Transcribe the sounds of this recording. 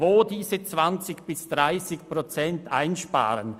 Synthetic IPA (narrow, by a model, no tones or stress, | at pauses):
oːdiːzət͡sv̥ant͡sɪçb̥ɪsd̥ʁaɪsɪçpʁot͡sɛntʔa̰ɪnʃpa̰ːɾən